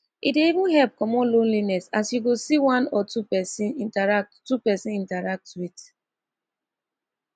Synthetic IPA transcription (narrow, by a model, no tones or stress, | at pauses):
ideivʊ̃nɦɛlp̚kɔmɔlõnlinɛsasjuɡosiwãnɔtupɛsinintaɹak̚ttupɛsɪ̃nĩntaɹak̚tit